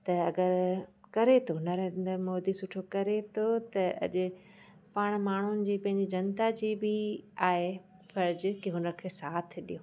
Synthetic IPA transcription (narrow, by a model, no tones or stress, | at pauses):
t̪ɐɐɡəɾkɐɾet̪ʰonɐɾẽːnd̪əɾmoːd̪isʊʈʰokɐɾet̪ʰot̪ɐɐ̰ʄʊ̆ | paːɽ̃maːɳ̤ʊnɪ̆d͡ʑiːpɐ̃ɦɪ̃ɲd͡ʑid͡ʑɐnt̪ad͡ʑiːbɪaːɦe | fɐɾd͡ʑʊ̆kiɦʊnəkʰeːsaːt̪ʰɪɗijoː